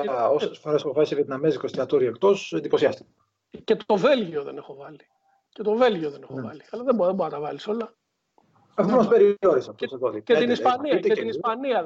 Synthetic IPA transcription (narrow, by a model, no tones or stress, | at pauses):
osesfoɾɐsexovɐlisevɐt̪nɐmezikost̪iɐt̪oɾiekt̪o̞send̪ipo̞siɐst̪i̥kɐ | ce̞t̪o̞ve̞lʝio̞ðene̞xo̞vɐli | cet̪o̞ve̞lʝio̞ðene̞xovɐliɐlɐðebðeboɐt̪ɐvɐliso̞lɐ | exopnospeɾioɾisɐt̪seðoθiet̪inisɐniɐet̪inispɐniɐ